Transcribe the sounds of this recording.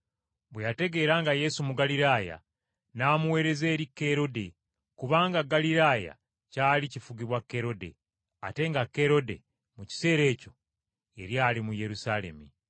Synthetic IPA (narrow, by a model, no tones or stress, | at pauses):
βwejate̞ɡe̞ːɾaːŋɡaje̞sumuɡaliɾaːja̰ | naːmuwe̞ːɾe̞ze̞ːɾikːe̞ɾo̞de̞ | kuβaːŋɡaɡaliɾaːja̰ | caːlicifuɡiβwakːe̞ɾo̞de̞̰ | a̰te̞ŋɡakːe̞ɾo̞de̞̰ | muci̥se̞ːɾe̞ːco̞ | e̞̰ɾjaːlimuje̞ɾusale̞̰mi